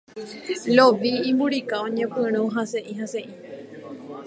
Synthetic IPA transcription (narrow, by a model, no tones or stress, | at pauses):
loʋĩːmbuɾikaõɲẽpɨ̃ɾ̃ũɦase̞ʔĩɦase̞ʔĩ